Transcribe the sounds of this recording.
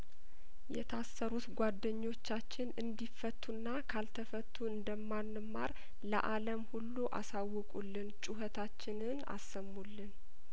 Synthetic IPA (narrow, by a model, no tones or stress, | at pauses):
jɛ̰t̪ʰasːəɾut̪ɡʷad̪ːəɲːo̞t͡ʃːat͡ʃːɪnɨnd̪ifət̪ʰːunːakʰalt̪ʰəfət̪ʰːuɨnd̪əmːanːɨmːaɾ | lə̰ʔaləmhulːuʔa̰sawːɔkʼulːɨnt͡ʃʼuɦət̪ʰat͡ʃːɪnɨna̰sːəmːulːɨn